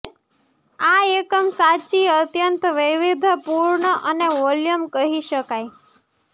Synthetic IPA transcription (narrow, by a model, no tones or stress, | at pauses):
aekəmsat͡ʃiət̪jənt̪ʋɪʋid̪ʱpuɾɳəʔəneʋɔljəmkəɦiʃəkaj